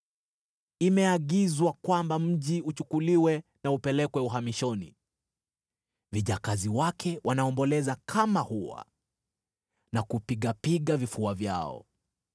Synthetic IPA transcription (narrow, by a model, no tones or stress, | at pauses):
imɛaɠizwakwambam̩ʄiut͡ʃukuliwɛnaupɛlɛkwɛuɦamiʃɔnḭ | viʄakaziwakʰɛwʔanaɔmbɔlɛzakʰamahuwa̰ | nakupiɠapiɠavifuavja̰ɔ̰